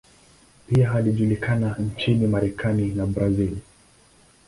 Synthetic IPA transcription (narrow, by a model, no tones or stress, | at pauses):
piaɦaliʄulikanant͡ʃinimaɾɛkʰaninabɾazil